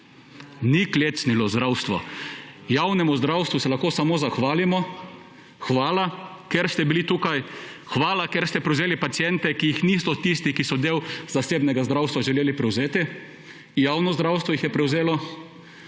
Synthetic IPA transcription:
nikleːt̪snilɔzd̪ɾawst̪ʋɔ | jawnɛmʊzd̪ɾawst̪ʋusɛlaxkoːsamoːzaxʋaːlimɔ | xʋaːlakeɾst̪ɛbilit̪uːkajxʋaːlakeɾst̪ɛpɾɛwzeːlipat̪sijɛnt̪ɛkijixnisɔt̪ist̪ikisɔd̪eːwzaseːbnɛɡazd̪ɾawst̪ʋaʒɛleːlipɾɛwzeːt̪i | jaːwnɔzd̪ɾawst̪ʋɔjixjɛpɾɛwzeːlɔ

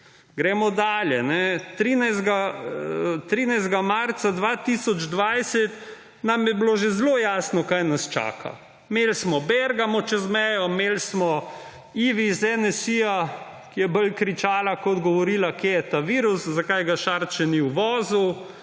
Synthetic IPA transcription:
ɡɾɛːmɔd̪aːljɛnɛt̪ɾiːnajzd̪ɡa | t̪ɾiːnajzd̪ɡamaɾt̪sad̪ʋat̪isɔd͡ʒd̪ʋajsɛt̪ | namjɛbloʒezlojaːsnɔkajnast͡ʃa̰ːkʰa̰ | melsmɔbɛɾɡamɔt͡ʃɛzmɛjɔmelsmɔ | iːʋizɛnɛsija | kijɛbəlkɾit͡ʃaːlakɔd̪ɡɔʋɔɾiːlakejɛt̪aʋiːɾuszakajɡaʃaɾt͡ʃɛniwʋɔːzu

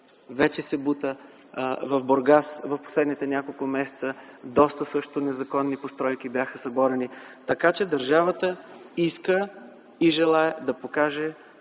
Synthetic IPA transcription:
vɛt͡ʃɛsɛbut̪ə | vɐvboɾɡasvɐfpo̥slɛd̪nit̪ɛnʲakolˠkʊmɛsɛ̥t̪sə | d̪ɔst̪əsɤʃt̪onɛzɐkɔnːipost̪ɾɔjk̟ibjaxəsɐbɔɾɛnit̪ɐkat͡ʃɛd̪ɐɾʒavət̪əiskə | iʒɛlˠaɛd̪ɐpokaʒɛ

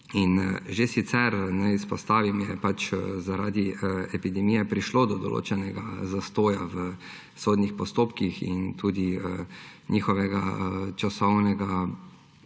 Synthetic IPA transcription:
inʒesit̪sɛɾnɛispɔst̪aːʋimjɛpat͡ʃzaɾaːd̪iɛpid̪ɛmiːjɛpɾiʃlod̪ɔd̪ɔ̰lo̰ːt͡ʃɛnɛɡazast̪oːjaʋə | soːd̪nixpɔst̪oːpkixḭnt̪uːd̪iəɲixɔʋɛɡat͡ʃasɔwnɛɡa

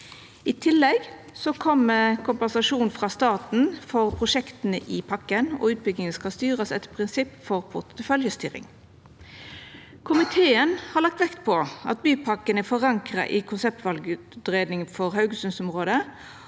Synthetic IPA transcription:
ɪt̪ʰɪlːɛɡ | sɔkʰɔməkʰʊmpɛnsɑʂuːnfʁɑːst̪ɑːt̪n̩fɔʁpʰʁʊʂɛkt̪ənəʔɪpʰɑkːənɔ̰ːʉːt̪̚bʏɡnɪŋənskɑst̪yːʁəsɛt̪pʰʁɪnsɪpːfɔʁpʰʊʁt̪əfœljəst̪y̰ːɾɪ̰ŋ | kʰʊmɪt̪ʰeːənhɑʁlɑk̚t̪ʋɛkt̪pʰɔɑ̰t̪̚byːpʰɑkːənæfɔʁɑŋkʁɑ̰ʔɪkʰʊnsɛp̚t̪ʋɑlɡə | d̪ʁeːd̪nɪŋfɔʁhɑʉɡəsʉnsɔmʁoːd̪ə

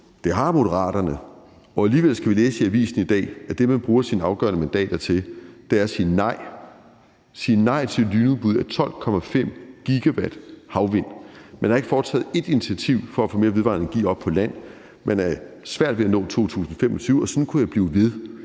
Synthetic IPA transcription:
d̥e̝ɦɑ̈mo̝dəʁɑ̰̈ːɾ̥ɐnə | ɒ̽æliːʋel̰sɡ̥æʋileːssiæʋḭːsn̩id̥ɛ̰ːæd̥e̝mænb̥ʁuːɐsiːnəɑ̈ʊɡ̥ɶ̰ɐnəmænd̥ɛ̰ːd̥ɐt͡sʰe̝ld̥eæɐsiːnɑ̈ɪ̰ | siːnɑ̈ɪ̰t͡sʰe̝lyːnuðˠb̥uð̞̰ˠæt͡sʰɒ̽l̰kʰɒ̽mæfem̰ɡ̥iɡ̥æʋæd̥hɑ̈ʊʋe̝n̰menhɑ̈e̝ɡ̥əfɒːt͡sʰɛ̰ːð̩ˠe̝d̥init͡sʰiæt͡sʰiʊ̰fɒ̽æfome̝ːɐʋe̝ʋɑ̈neŋɡ̥ḭːɒ̽b̥̚pʰɒ̽læn̰ | meænæɐsʋæɐ̰d̥ʋe̝ænɔ̰̽ːt͡sʰo̝̰ːt͡sʰṵːsn̩ɒfemʔɒt͡sʰyːʊɒ̽sɒ̽nkʰujɑɪb̥liːʊʋe̝ð̞ˠ

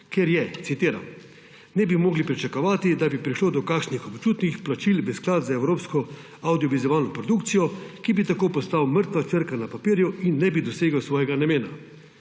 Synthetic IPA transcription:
keɾjɛt̪sit̪iːɾa̰m | nɛbimoːɡlipɾit͡ʃakɔʋaːt̪id̪abipɾiʃloːd̪ɔkakʃnixɔpt͡ʃuːt̪nixplat͡ʃilʋəsklaːt̪zaɛwɾoːpskɔ | awd̪iɔʋizɔʋaːlnɔpɾɔd̪ukt̪sijɔkibit̪akoːpɔst̪awməɾt̪ʋat͡ʃəɾkanapapiːɾjuinːɛbid̪ɔseːɡəwsʋɔːjɛɡanameːna

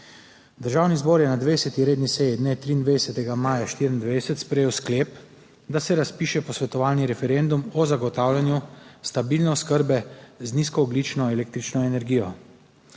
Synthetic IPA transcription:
d̪əɾʒaːwnizboːɾjɛnad̪ʋesɛt̪iɾeːd̪nisɛjid̪net̪ɾiːnd̪ʋed̪sɛt̪ɛɡamaːjaʃt̪iːɾind̪ʋɛjsɛt̪spɾɛjeːwskleːp | d̪asɛɾaspiːʃɛpɔsʋɛt̪ɔʋaːlniɾɛfɛɾend̪umɔzaɡɔt̪aːwlʲjanjust̪abiːlnɛɔskəɾbɛzniskɔːɡlit͡ʃnɔeleːk̚t̪ɾit͡ʃnɔɛnɛɾɡijɔ

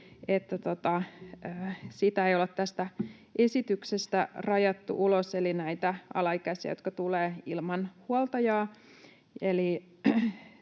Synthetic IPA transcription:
et̪ːæt̪ot̪ɑøːsit̪æeiolet̪t̪æst̪æesit̪yksest̪ærɑjɑt̪ːṵʔuloselinæit̪æɑ̰lɑikæsiɑ̰jot̪̚kɑt̪uleːilmɑnhuolt̪ɑjɑː | eli

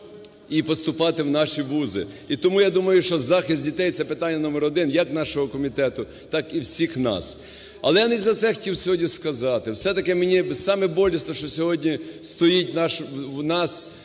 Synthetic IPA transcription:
ipɔst̪ʊpɑt̪ɪwnɑʃiʋuzɪ̰it̪ɔmujad̪umɐjʊʃt͡ʃɔzɑxɪst̪̚ʲdʲit̪ɛjt̪sɛpɪt̪ɑnʲːɐnɔmɛɾɔd̪ɪnjɐkn̪ɑʃɔɦɔkɔmʲit̪ɛt̪ʊ | t̪ɑkiwsʲixnɑ̰s | ɐ̰lˠɛjanɪzɐt̪sɛxɔ̥tʲiwsʲɔɦɔdʲnʲiskɐzɑt̪ɪwsɛt̪ɐkɛmenʲisɑmɛbɔlʲisnɔʃt͡ʃɔsʲɔɦɔdʲnʲist̪ɔjit̚ʲnɑʃwnɑs

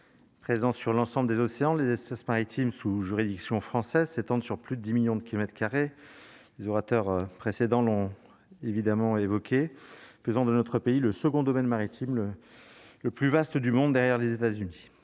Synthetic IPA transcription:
pχezɑ̃syʁlɑ̃sɑ̃bləd̪ezɔseɑ̃lezɛspɛsmaʁit̪ʰimsuʒyʁid̪iksjɔ̃fχɑ̃sɛzset̪ɑ̃d̪syʁplyd̪əd̪imiljɔ̃d̪əkʲilɔmɛt̪χəkaʁe | lezɔʁat̪œʁpχesed̪ɑ̃lɔ̃ | evid̪amɑ̃evɔkʲʰeføzɑ̃d̪ənɔt̪χəpeiləsəɡɔ̃d̪ɔmɛnmaʁit̪ʰimlə | ləplyvast̪d̪ymɔ̃d̪d̪ɛʁjɛʁlezet̪azyni

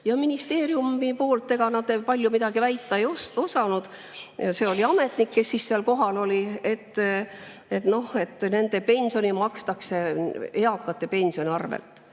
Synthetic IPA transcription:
jɑminist̪e̞ːɾiumipo̞ːlt̪ːe̞ɡ̥ɑnɑd̪epɑlʲjumid̪̥ɑɡivæjt̪ːˑɑejoso̞sɑnud̪̥ | ɑse̞o̞liɑme̞t̪ˑnikːe̞sːisːeɑlko̞ɦɑlo̞lʲie̞t̪ːˑ | e̞t̪no̞he̞t̪ːˑne̞nd̪̥e̞pe̞nʲsio̞nimɑkst̪ɑkse̞eɑkːˑɑt̪ːˑe̞pe̞nʲsio̞nʲiɑrvḛlt̪ˑ

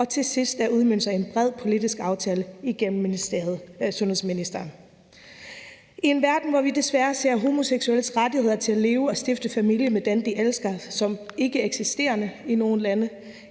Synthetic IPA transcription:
ɒ̽t͡sʰe̝sisd̥æɐuð̞ˠmyn̰̥sɑ̈ɪenb̥ʁɛð̞̰ˠpʰo̝lid̥isɡ̥ɑ̈ʊt͡sʰɛːləiɡ̥em̩ðˠsɔ̽nhe̝sminisd̥ɐː | ie̝nʋæɐd̥n̩ʋɒʋid̥e̝sʋæɐse̝ɐɦo̝mo̝seɡ̥suel̰sʁad̥ihe̝ð̞̰ˠɐt͡sʰe̝læle̝ːʊɒ̽sd̥efd̥əfæmil̰jəmed̥end̥iʔelsɡ̥ɐsɒ̽me̝ɡ̥əeɡ̥sisd̥e̝̰ːɐnəino̝ːn̩lænə

